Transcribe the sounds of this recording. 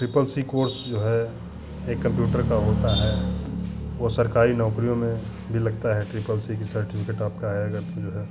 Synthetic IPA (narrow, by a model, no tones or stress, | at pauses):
ʈɾɪpəlsikoːɾsd͡ʒoːɦɛ | eːkːɐ̃mpjuːʈəɾkaɦoːt̪aɦɛ | ʋosɐɾkaːɾinɔːkɾijõmẽ | bʱilɐɡ̚t̪aɦɛʈɾɪpəlsikisɐɾʈɪpʰɪkeːʈaːp̚kaɦjaɡəɾt̪ẽd͡ʒoːɦɛː